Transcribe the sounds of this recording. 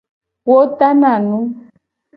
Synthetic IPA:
wo˦ta˦na˨nu˦m

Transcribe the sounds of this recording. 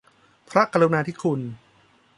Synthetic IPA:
pʰɾa˦˥ka˧lu˧naː˧t̪ʰi˦˥˩kʰu˧n

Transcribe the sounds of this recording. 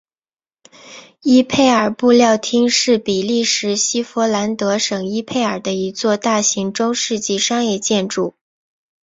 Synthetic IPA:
i˥pʰe˥˩ɪə˞˨˩pu˥˧ljɑ˥˩ʊt̪ʰi˥ŋʂɻ̩˥˩pi˨˩li˥˩ʂɻ̩˧˥ɕi˥fɔ˧˥la˧˥nt̪ɤ˧˥ʂɤ˨˩ŋi˥pʰe˥˩ɪə˞˨˩d̪ə˦i˧˥t͡swɔ˥˧t̪a˥˩ɕi˧˥ŋʈ͡ʂʊ˥ŋʂɻ̩˥˧t͡ɕi˥˩ʂɑ˥ŋjɛ˥˧t͡ɕjɛ˥˧nʈ͡ʂu˥˩

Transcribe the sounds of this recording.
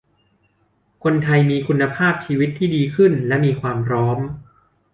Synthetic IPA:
kʰo˧nt̪ʰa˧jmiː˧kʰu˧nːa˧pʰaː˥˩p̚t͡ɕʰiː˧wi˦˥t̪ʰːiː˥˩diː˧kʰɯ˥˩nlɛ˦˥ʔmiː˧kʰwaː˧mpʰɾɔː˦˥m

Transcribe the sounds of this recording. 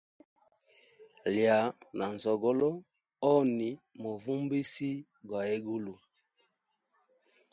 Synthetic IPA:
lja˨na˨n˨zɔ˨ɡɔ˦lɔ˦ | ɔ˦ni˨mo˨vu˦mbi˦si˦ | ɡwa˨e˦ɡu˦lu˨

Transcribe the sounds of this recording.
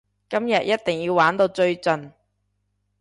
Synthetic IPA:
kɐ˥mjɐ˨t̚jʔɐ˥t̚t̪ɪ˨ŋjiː˧wwaː˨˥nt̪o˧wt͡sɵ˧ɥt͡sɵ˨˩n

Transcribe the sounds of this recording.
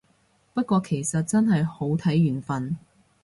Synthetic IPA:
pɐ˥t̚kʷɔː˧kʰe˨˩jsɐ˨t̚t͡sɐ˥nɦɐ˨jho˨˥wt̪ʰɐ˨˥jːyː˨˩nfɐ˨n

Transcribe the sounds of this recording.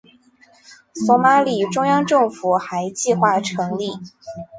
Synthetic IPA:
sɔ˧˥ma˧˥li˨˩ʈ͡ʂʊ˥ŋjɑ˥ŋʈ͡ʂɤ˥˩ŋfu˨˩xa˧˥ɪt͡ɕi˥˧xwa˥˩ʈ͡ʂʰɤ˧˥ŋli˥˩

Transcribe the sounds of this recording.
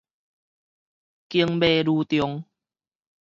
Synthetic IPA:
ki˧əŋbe˧ɾuː˧t̪jo˧ŋ

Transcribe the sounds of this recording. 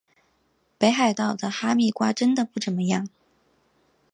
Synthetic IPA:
pe˧˥ɪxa˨˩ɪt̪ɑ˥˩ʊd̪ə˩xa˥mi˥˩kwa˥ʈ͡ʂə˥nd̪ə˨pu˥˩ʈ͡ʂə˨˩nmə˧˦jɑ˥˩ŋ

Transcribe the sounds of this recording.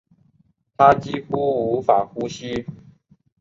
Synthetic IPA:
t̪ʰa˦t͡ɕi˥xu˥u˧˦fa˨˩xu˦ɕi˦

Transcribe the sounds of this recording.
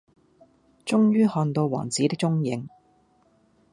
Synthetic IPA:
t͡ʃʊ˥ŋjyː˥hɔː˧nt̪o˧wwɔ̰ː˨˩ŋt͡siː˨˥t̪ɪ˥k̚t͡ʃʊ˥ŋjɪ˨˧ŋ

